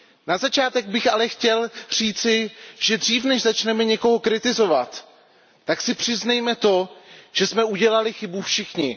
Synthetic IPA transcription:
nazat͡ʃaːt̪ɛɡ̚bɪxalɛxcɛlr̝̥iːt͡sɪʒ̥ɛd̪r̝iːfnɛʒzat͡ʃnɛmɛɲɛko̞ɦo̞kɾɪt̪ɪzo̞vat̪ː | aksɪpr̝̥ɪznɛjmɛt̪o̞ʒ̥ɛsmɛuɟɛlalɪxɪbufʃɪxɲɪ

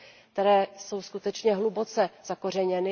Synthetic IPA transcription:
kt̪ɛɾɛːso̞wskut̪ɛt͡ʃɲɛɦlubo̞t͡sɛz̥ako̞r̝ɛɲɛnɪ

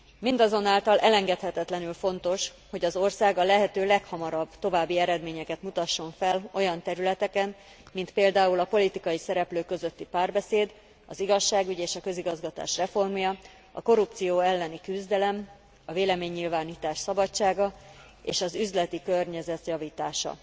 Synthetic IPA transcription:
mind̪ɒzo̞naːlt̪ɒlɛlɛŋɡɛt̪hɛt̪ɛt̪lɛnylfo̞nt̪o̞ʃ | ho̞ɟɒzo̞rsaːɡɒlɛɦɛt̪øːlɛkhɒmɒɾɒbːt̪o̞vaːbːiɛɾɛd̪meːɲɛkɛt̪mut̪ɒʃːo̞ɱfɛlo̞jɒnt̪ɛɾylɛt̪ɛkɛn | mint̪peːld̪aːulɒpo̞lit̪ikɒjisɛɾɛpløːkø̞zø̞t̪ːipaːrbɛseːd̪ | ɒziɡɒʃːaːɡyɟeːʃɒkø̞ziɡɒzɡɒt̪a̰ːʃrɛfo̞rmjɒ | ɒ̰ko̞ɾupt̪sijoːɛlːɛnikyzd̪ɛlɛm | ɒveːlɛmeːɲːilvaːniːt̪aːʃsɒbɒt͡ʃːaːɡɒ | ḛːʃɒzyzlɛt̪ikørɲɛzɛt̪jɒviːt̪aːʃɒ̰

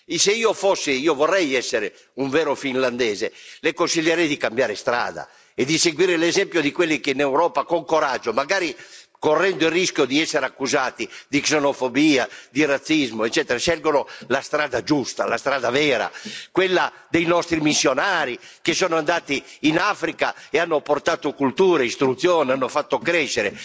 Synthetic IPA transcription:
seiːofosːiiːovɔrːɛjɛsːeɾe | uɱvɛːɾofinland̪ɛːzelekonsiʎːeɾɛjd̪ikambjaːɾest̪ɾa̰ːd̪a̰ | ed̪iseɡwiːɾelɛzɛmpjod̪ikwelːikeinɛwɾɔːpakoŋkoɾad͡ʒːomaɡaːɾikorːɛnd̪oirːiskjod̪iɛsːeɾakːuzaːt̪id̪iksenofobiːad̪irat̪sːizmoet͡ʃːɛːt̪eɾasɛlɡonolast̪ɾaːd̪ad͡ʒust̪a̰last̪ɾaːd̪avɛːɾa̰kwelːa | d̪ejnɔst̪ɾimisːjonaːɾi | kesɔːnoand̪aːt̪iːnafɾikaeanːoport̪aːt̪okult̪uːɾeist̪ɾut̪sːjɔːneanːofat̪ːokɾɛʃːeɾe

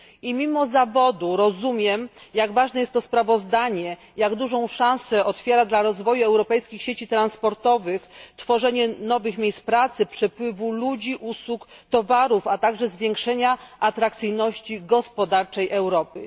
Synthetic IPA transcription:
imʲimɔzavɔd̪uɾɔzumʲjɛmjaɡvaʐnɛjɛst̪ːɔspɾavɔzd̪aɲɛ | jaɡd̪uʐɔ̃w̃ʂãw̃sɛʔɔt̪fʲjeɾad̪laɾɔzvɔjuɛwɾɔpɛjskʲixɕet͡ɕit̪ɾãnspɔɾt̪ɔvɘxt̪fɔʐɛɲɛnɔvɘxmʲejst̪pɾat̪sɘpʂɛpwɘvulud͡ʑiʔuswukt̪ɔvaɾufat̪aɡʐɛzvʲjɛŋkʂɛɲaʔat̪ɾakt̪sɘjnɔɕt͡ɕiɡɔspɔd̪aɾt͡ʂɛjʔɛwɾɔpɘ

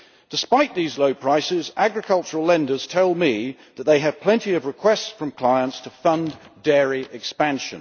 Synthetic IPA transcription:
d̥ɨspaɪt̪ʔ̚ðizloʊpʰɹ̥aɪsɪzæɡɹɨkʰʌlˠt͡ʃəɹəlˠlɛ̃ndə˞z̥tʰɛlˠmi | ðət̪̚ðeɪɨv̥pʰl̥ɛ̃ntiʌvɹɨkʰw̥ɛstsfɹʌ̃mkʰl̥aɪə̃ntstʰəfʌ̃ndɛɹiʔɪkspæ̃nʃɨ̰̃n

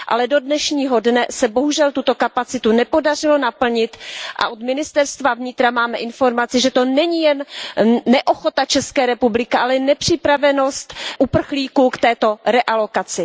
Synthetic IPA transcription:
ʔa̰lɛdo̞dnɛʃɲiːɦo̞dnɛsɛbo̞ɦuʒɛlt̪ut̪o̞kapat͡sɪt̪unɛpo̞dar̝ɪlo̞napl̩ɲɪt̪ʔa̰ʔod̪mɪnɪst̪ɛɾst̪vavɲɪt̪ɾamaːmɛʔɪnfo̞ɾmat͡sɪʒɛt̪o̞nɛɲijɛnː | ɛʔo̞xo̞t̪at͡ʃɛskɛːɾɛpublɪkɪʔalɛnɛpr̝̥ɪpɾavɛno̞st̪ʔupr̩xliːkukt̪ɛːt̪o̞ɾɛʔalo̞kat͡sɪ

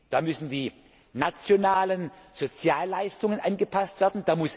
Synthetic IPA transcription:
d̥aːmʏsn̩diː | nat͡sjonaːlənz̥ot͡sjaːlːaɪstʊŋənʔanɡəpʰastv̥eːɐdn̩d̥aːmʊs

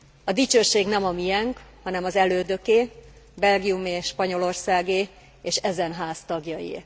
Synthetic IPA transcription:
ɒd̪it͡ʃøːʃeːɡnɛmɒmijɛŋkhɒnɛmɒzɛløːd̪ø̞keː | bɛlɡiumeːʃpɒɲo̞lo̞rsaːɡeː | eːʃɛzɛnɦaːst̪ɒɡjɒjḭː

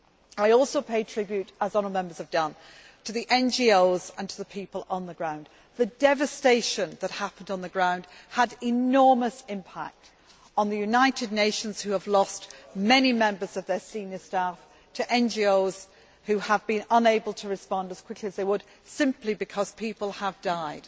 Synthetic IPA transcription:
aɪɔlˠsoʊpʰeɪd̚tʰɹ̥ɪbjʉɾəzɑnəmɛ̃mbə˞z̥əvdʌ̃n | tʰɨðiʔɛ̃nd͡ʒioʊzə̃ntʰəðəpʰiˑpəlˠə̃nðəɡɹãʊ̃nd̪ | ðɨdɛvɨsteɪʃə̃nðət̚hapə̃n̩dn̩ðəɡɹãʊ̃nd̥əɾɪnɔɹməsɪ̃mpʰa̰k̚t | n̩ðɨjʉnaɪɾɨdⁿneɪʃə̃nz̥hʉəvlɔstmɛnimɛ̃mbə˞zʌvðə˞sĩnjə˞staf | tʰɨʔɛ̃nd͡ʒioʊz̥ | hʉəvbɨ̃nə̃neɪbəlˠtʰəɹɨspɑ̃ndəz̥kw̥ɪkʰliəzðeɪwəd̥ | sɪ̃mplibɨkʰʌz̥pʰipəl̩ˠəvdaɪd̥

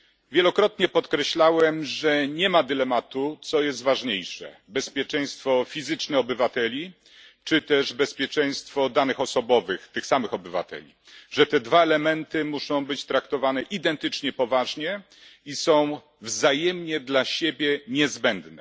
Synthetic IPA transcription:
vʲjɛlɔkɾɔt̪ɲɛpɔt̪kɾɛɕlawɛmʐɛɲɛmad̪ɘlɛmat̪ut̪sɔjɛs̬t̪vaʐɲejʂɛ̰bɛspʲjɛt͡ʂɛj̃st̪fɔfʲizɘt͡ʂnɛɔbɘvat̪ɛlʲi | t͡ʂɘt̪ɛʐbɛspʲjɛt͡ʂɛj̃st̪fɔd̪anɘxɔsɔbɔvɘxt̪ɘxsamɘxɔbɘva̰t̪ɛ̰lʲi | ʐɛt̪ɛd̪vaɛlɛmɛnt̪ɘmuʂɔ̃w̃bɘt͡ɕt̪ɾakt̪ɔvanɛʔid̪ɛnt̪ɘt͡ʂɲɛpɔvaʐɲɛ | isɔ̃w̃ | vzajɛmɲɛd̪laɕebʲjɛɲɛzbɛnd̪nɛ

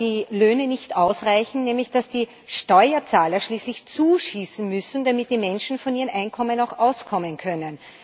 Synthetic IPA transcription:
d̥iːløːnənɪçtʔaʊsʁaɪçn̩nɛːmlɪçd̥asd̥iː | ʃtɔʏɐt͡saːlɐʃliːslɪçt͡suːʃiːsn̩mʏsn̩d̥amɪt̚d̥iːmɛnʃn̩fɔniːʁənʔaɪnkʰɔmənaʊxʔaʊskʰɔmənkʰœnən

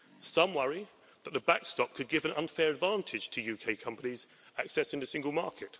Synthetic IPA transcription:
sʌ̃mwʌɹi | ðəʔ̪ðəbakstɒp̚kʰəd̚ɡɪvə̃nʌ̰̃nfɛːɹədvɑ̃ˑntʰɪd̥ʒ̥tʰəjʉːkʰeɪkʰʌ̃mpəniz | aksɛsɪ̃ntəsɪ̃ŋɡəlˠmɑˑkʰɪt

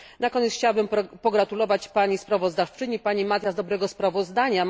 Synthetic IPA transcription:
nakɔɲɛt̪sxt͡ɕawabɘmpɔɡɾat̪ulɔvat͡ɕpaɲispɾavɔzd̪aft͡ʂɘɲipaɲimat̪ʲjazd̪ɔbɾɛɡɔspɾavɔzd̪aɲa

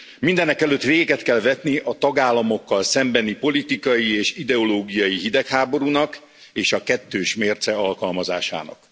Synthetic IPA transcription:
mind̪ɛnɛkɛløt̪ːʋeːɡɡɛt̪kɛlvɛt̪niʔɒt̪ɒɡaːlːɒmo̞kːɒlsɛmbɛnipo̞lit̪ikɒjieːʃid̪ɛoloːɡijɒjiɦid̪ɛkhaːbo̞ɾunɒk | eːʃɒkɛt̪ːøːʃmeːrt̪sɛɒlkɒlmɒza̰ːʃa̰ːnɒ̰k

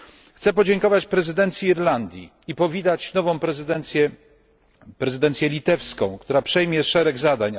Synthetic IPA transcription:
xt̪sɛpɔd͡ʑɛŋkɔvat͡ɕpɾɛzɘd̪ɛnt̪sʲjiiɾland̪ʲjḭ | ipɔvʲid̪at͡ɕnɔvɔ̃w̃pɾɛzd̪ɛnsjɛ | pɾɛzɘd̪ɛnt̪sʲjɛlʲit̪ɛfskɔ̃w̃kt̪uɾapʂɛjmʲjɛʂɛɾɛɡzad̪aɲ

